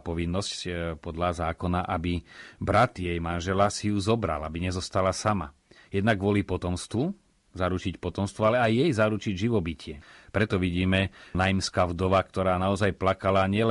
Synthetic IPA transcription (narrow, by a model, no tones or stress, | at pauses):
pɔʋinːɔsccpɔd̪lazaːkɔnaʔabibɾat̪jɛjmanʒɛlasijuzɔbɾa̰labiɲɛzɔst̪alasama̰ | jɛd̪naɡʋʊɔlipɔt̪ɔmst̪ʋu | zaɾut͡ʃicpɔt̪ɔmst̪ʋualɛajːɛjzaɾut͡ʃiɟʒiʋɔbicɪɛpɾɛt̪ɔʋiɟiːmɛnajimskavd̪ɔʋakt̪ɔɾaːnaɔzajplakalaɲɪɛl